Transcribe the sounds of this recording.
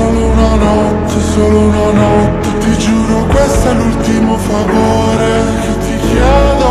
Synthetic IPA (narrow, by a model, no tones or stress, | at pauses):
oːlounanɔ | t̪ːesoːlounanɔt̪ːet̪ːid͡ʒuːɾokwest̪ɛlult̪imofavoː | ɾe | ket̪ːikjɛːd̪o